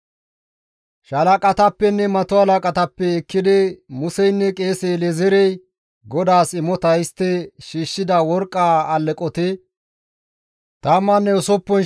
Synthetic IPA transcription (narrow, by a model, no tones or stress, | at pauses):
ʃɐlɐkʼɐt̪ɐpːɛnːɛmɐt̪ɔhɐlɐkʼɐt̪ɐpːɛːkːɪd̪ɪmʊsɛjnːɛkʼeːsɛjlɛzɛɾɛj | ɡɔd̪aːsɪmɔt̪ɐjst̪ːɛʃiːʃːɪd̪ɐwɔɾkʼːaːɐlːɛkʼɔt̪ɛ | t̪ɐːmːɐnːɛʊsɔpːɔn